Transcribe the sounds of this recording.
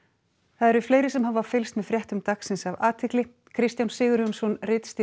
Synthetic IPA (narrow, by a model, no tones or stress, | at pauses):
θaðɛɾvɪfleːjɾɪsɛmhavːaɾfɪlst̪mɛðfɾjɛht̪ʏmt̪aksɪnsavaːt̪ʰɪklɪ | kʰɾɪst̪jawnsɪːɣʏɾjunsɔnrɪːt̪st̪ɪ